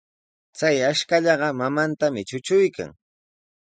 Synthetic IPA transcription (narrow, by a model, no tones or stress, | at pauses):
t͡sajaʃkaʎɑɢɑmamant̪amɪt͡ʃʊt͡ʃʊjka̰ŋ